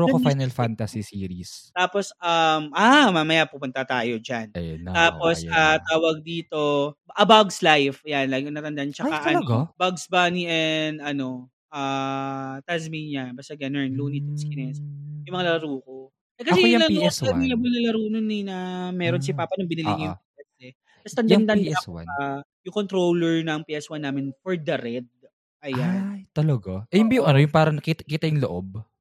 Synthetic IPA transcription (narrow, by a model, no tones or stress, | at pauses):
ɾukofajnɐlfant̪ɐsisiːɾist̪aːposɐmʔaːmaːmɐjapupʊnt̪ɐt̪aːjo̞d͡ʒant̪aːpo̞sat̪aːwɐɡ̚d̪iːt̪o̞ʔɐbɐɡslajfjanlaɡnɐt̪ɐnd̪aʔnt͡ʃɐkaʔɐlɐɡabɐɡsbaniʔɛnd̪ɐno̞ | ʔa | t̪asmiɲɐbɐst̪ɐɡɛnɛnlunit̪ʊŋskɪnɛsojʊŋmɐŋalɐlɐɾuːko̞ | ʔɛkɐsɛjjɐlɐluɛsŋlɐbɐnlɐlɐɾuːnonɛnɐmɛːɾons̬ɪpaːpɐnoŋbɪnɪliɲjʊpiːʔɛsɛ | ɐst̪ɐnj̪ɐnd̪ɐɐwa̰ajʊŋkont̪ɾowlɛɹnɐŋpiʔɛswanːaːmɪnfɔɹd̪ɐɾɛd̪̚ | ʔɐjajjt̪ɐlɐɡaʔɛhɪnbijʊŋɐnojʊŋpaːɾɐnɐkiːt̪ɐkiːt̪ɐjʊŋloʔo̰b̚